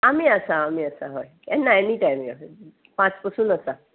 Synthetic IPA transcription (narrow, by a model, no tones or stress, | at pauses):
amiəsaːmiəsaɦɔj | ɛnːaɛniʈajmjo | pãt͡spəsũnəsa